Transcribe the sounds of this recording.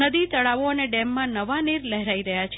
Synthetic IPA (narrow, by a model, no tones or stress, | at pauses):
əd̪it̪əɭaʋoəneɖemːãnəʋaniɾləɦɾaiɾəɦjat͡ʃʰ